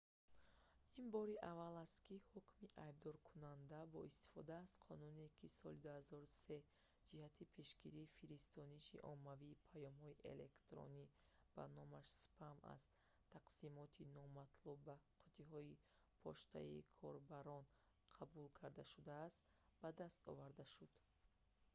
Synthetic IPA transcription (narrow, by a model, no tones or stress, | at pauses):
inbɔɾiʔavalast̪kihukmiʔajb̚d̪ɔɾkʰunand̪abɔist̪i̥fɔd̪aːz̥qʰɔnune̞kʰisɔlid̪uhazɔɾuse̞ | d͡ʒihat̪ʰipʰe̞ʃɡiɾiːfiɾist̪ɔniʃḭʔɔ̰mːaviːpʰajɔmhɔiʔḛle̞kt̪ɾɔ̰ni | b̥a̰nɔmaʃspʰama̰z̥ | t̪ʰaqsimɔt̪ʰinɔmat̪ʰlubːaqʰu̥t̪ʰiɦɔi | pʰɔʃt̪a̰ḭkʰɔɾbaɾɔn | qʰabulkʰaɾd̪aʃud̪aːst̪ | bad̪ast̪ɔ̰vaɾd̪aʃud̪̥